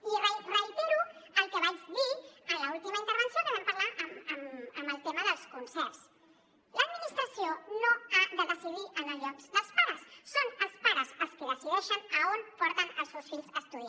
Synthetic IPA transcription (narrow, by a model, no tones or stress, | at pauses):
iɾajtrajbiɾualkeβajsβialault̪imaĩnt̪eɾβẽnsjoeβampaɾlaɾamamamelt̪emaðelskonseɾs | laðminist̪ɾasjonoabalosiðiʔanalokslaspaɾasːonaspaɾasaskelasileʃonaunpoɾt̪analsosfilsast̪uð